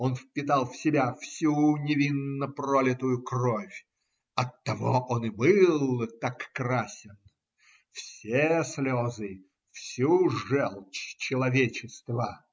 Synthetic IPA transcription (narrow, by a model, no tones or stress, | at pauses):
onfpʲɪt̪ɑlˠfsʲɪbʲafsʲunʲɪvʲinːəprolʲɪt̪ʊjʊkrofʲ | ɐt̪ːɐvo̰ʔonɨbɨlˠt̪akːrasʲɪn | fsʲeslʲozɨ | fsʲuʐɛlˠt͡ɕt͡ɕɪlˠɐvʲet͡ɕɪst̪və